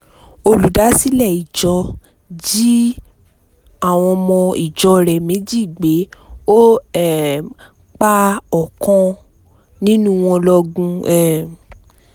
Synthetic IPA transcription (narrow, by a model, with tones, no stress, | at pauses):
o˧lu˨˦da˨˦si˦lɛ˦˨i˨d͡ʒɔ˧ | d͡ʒi˦ | a˦˨w̃ɔ̃˧mɔ̃˧i˨d͡ʒɔ˧ɾɛ˨mẽ˨˦d͡ʒi˦˨ɡ͡be˨˦o˦ɛ˨ | k͡pa˦ɔ˨kɔ̃˧ | nĩ˦nũ˦w̃ɔ̃˧lɔ˧ɡũ˧ɛ˨